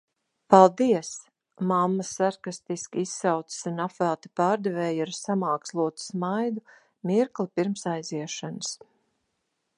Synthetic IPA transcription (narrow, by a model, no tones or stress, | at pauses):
palˠd̪iɛs | mamːasaɾkast̪iskʲiisːawt̪sɨ̥sunafælˠt̪i̥paːɾd̪ɛvɛːjaɾsamaːkslˠuɔt̪ɨ̥smajd̪u | miɾklˠipiɾmsajziɛʃanəs